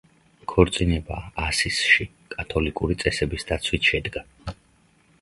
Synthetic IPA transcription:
kʰɔɾt̪sʼinɛbaːsisʃi | kʼat̪ʰɔlikʼuɾit̪sʼɛsɛbisd̪at̪sʰwit̪ʰʃɛd̪ɡa

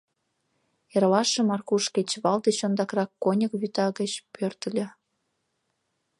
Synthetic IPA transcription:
erlɑʃĕmɑrkuʃket͡ɕβɑld̪eɕond̪ɑkrɑkːonʲə̆kβyt̪ɑɣə̆t͡ɕpørt̪ə̆lʲĕ

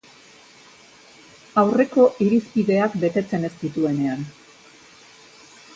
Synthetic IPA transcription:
awre̞ko̞ʔiɾispiðe̞akbe̞t̪e̞t͡se̞ne̞st̪it̪ue̞ne̞an

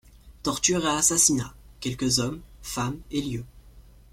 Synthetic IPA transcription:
t̪ɔʁt̪yʁaasasinakʲɛlkəzɔmfameljø

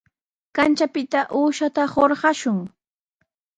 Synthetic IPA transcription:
kant͡ʃapɪt̪aʔuːʃat̪ahoɾɢɑʃʊŋ

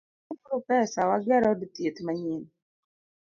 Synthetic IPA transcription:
upɾupɛsawaɡɛɾɔditet̪maɲin

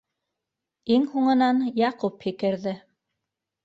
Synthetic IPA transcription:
iŋhuɴɤ̆nɑnjɑquphikɘ̆ɾðɘ

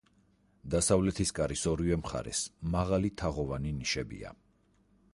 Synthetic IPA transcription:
d̪asavlɛt̪ʰiskʼaɾisɔɾivɛmχa̰ɾɛ̰smaʁalit̪ʰaʁɔvaniniʃɛbḭa̰

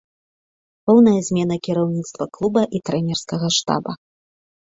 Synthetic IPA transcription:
pɔwnɐjɐzʲmʲɛn̪ɐkʲiɾɐwnʲit̪st̪vɐklˠubɐʔit̪ɾɛnʲɛrskɐɣɐʂt̪a̰bɐ

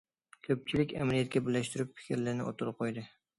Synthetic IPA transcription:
kʲʰɵp̚t͡ʃʰɪlɪkʲa̰malijat̪̚kʲabɪlːaʃt̪ʊɾɪpfʰɪ̥kʲʰɪɾlaɾnɪʔo̰t̪ʰʊɾɪp̚qʰojd̪ɪ

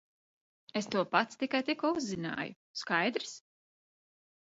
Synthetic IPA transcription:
est̪uɔpat̪st̪ikajt̪ikuɔuzːina̰ːjṵ | skajd̪ɾs

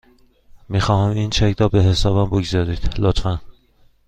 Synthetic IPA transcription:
miːxɒːhæmint͡ʃʰækd̪ɒːbeɦesɒːbæmboɡzɒːɾiːd̪̥lot̪fæn

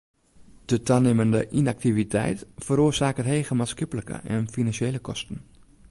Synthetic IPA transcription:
d̥ətʰaneməndəʔinak̚tivitʰɛ̰jtfəɾoːszaːkətɦejɣəmaːskɪpələkə̰ʔɛnfinansjejləkɔstən̩

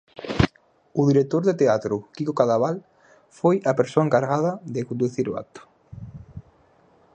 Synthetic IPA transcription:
ʊðiɾek̚t̪oɾðet̪eat̪ɾʊkikokaðaβal | fojɐpeɾsoaeŋkaɾɣað̞ɐðɪkond̪uθiɾʊa̰k̚t̪ʊ̥

